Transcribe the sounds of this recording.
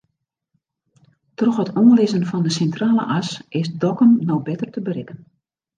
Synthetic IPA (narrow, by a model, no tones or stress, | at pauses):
trɔxhətoːlɪzənfɔndəsɛntraːlə̰ʔasɪsdɔkəmnowbɪtərtəbərɪkən